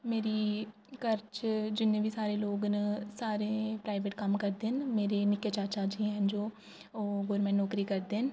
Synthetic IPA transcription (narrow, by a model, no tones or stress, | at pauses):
meːɾiː | kəɾt͡ʃd͡ʒɪnːẽːbʱiːsaːɾeːloːɡnəsaːɾẽːpɾaːɪʋeːʈkəmkəɾd̪eːnmeːɾeːnɪkeːt͡ʃaːt͡ʃaːd͡ʒiɦɛnd͡ʒoː | ɡoːɾmɛ̃ːɳnɔːkɾiːkəɾd̪eːn